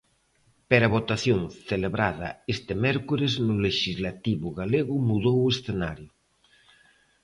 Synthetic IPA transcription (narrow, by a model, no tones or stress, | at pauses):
peɾaβ̞ot̪aθjoŋθeleβɾað̞ɐ̰est̪emɛɾkuɾeznʊleʃizlat̪iβʊɣaleɣʊmuðowesθenaɾjʊ